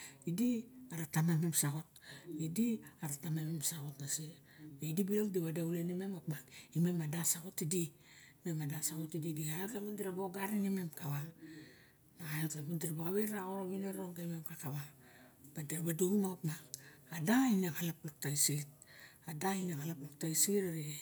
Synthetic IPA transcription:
idiaɾatamememsaɣo̞t̚idiaɾatamememsaɣo̞tnase | eidibiloŋdiβadaulenimemapmakimemadasako̞tidi | memadasaɣotididiaekemundiɾaboɡaɾinimemkaβa | naajekemundiɾabaɣaβeɾaɣoɾoβineɾoŋɡaimemkakaβa | b̥adiɾabaduɡimakapmakadainakalapluk̚taisiɡit̚ | adainakalapluk̚tajsiɡiɾaɾie

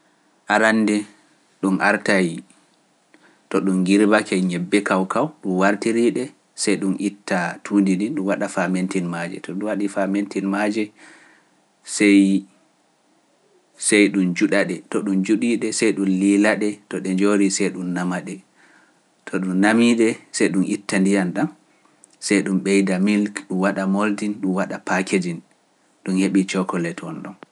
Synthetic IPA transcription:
ʔaɾandɛ | ɗunʔaɾtaji | tɔɗumɡiɾbakɛɲɛbːɛkawkawɗumwaɾtiɾiɗɛ | sɛjɗumʔitːatʰuːndininɗumwaɗafamentinmad͡ʒɛ̰tɔɗuwaɗifamentinmad͡ʒɛ | sɛj | sɛjɗund͡ʒuɗaɗɛtɔɗumd͡ʒuɗiɗɛsɛjɗunlilaɗɛtɔɗɛɲd͡ʒoɾisɛjɗunːamaɗɛ | tʰɔɗunːamiɗɛsɛjɗunʔitːandijanɗan | sɛjɗumɓɛjdamilkɗumwaɗamoldinɗumwaɗapakʰed͡ʒin | ɗunheɓit͡ʃɔkɔlɛtʰɔnɗɔn

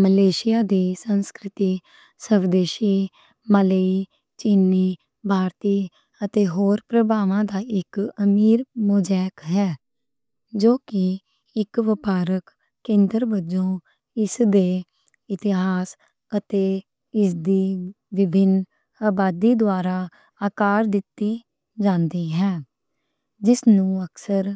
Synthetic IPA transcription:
məleːʃɪjaːd̪iːsənskɾɪt̪iː | səʋd̪eːʃiː | mələi | t͡ʃinːiː | bʱaːɾt̪iː | ət̪eːɦoːɾpɾəbaːʋãːd̪aːɪkəmiːɾmod͡ʒɛːkɦɛː | d͡ʒoːkɪ | ɪkʋɪpaːɾəkː | kːẽːnd̪əɾbəd͡ʒõː | ɪsd̪eː | ɪt̪ɪɦaːs | ət̪eː | ɪsd̪iː | ʋɪbʱɪn | aːbaːd̪iːd̪ʊaːɾaː | aːkaːɾd̪ɪt̪ːiː | d͡ʒãːnd̪iːɦɛː | d͡ʒɪsnũːəksəɾ

